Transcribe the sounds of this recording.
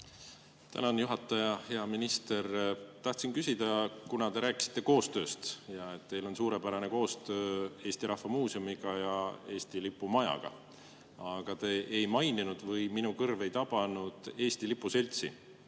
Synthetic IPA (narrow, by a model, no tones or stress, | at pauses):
t̪æ̰nɑnjuɦɑt̪ːˑɑjɑhe̞ɑminist̪e̞ɾt̪ɑht̪sinkysid̪̥ɑkunɑt̪e̞ɾæːkˑi̥si̥t̪ːe̞ko̞ːst̪ø̞ːst̪jɑe̞t̪ːe̞jlo̞nsuːɾe̞pæɾɑne̞ko̞ːst̪ø̞ːe̞ːst̪iɾɑhvɑmuːsiomiɡ̥ɑjɑe̞ːst̪ilipːˑumɑjɑ̰ɡ̥ɑ̰ | ɑɡ̥ɑt̪e̞ːʔejmɑjninud̪̥vɯjminukɤrve̞jt̪ɑb̥ɑnud̪̥e̞ːst̪ilipːˑuse̞lʲt̪sḭ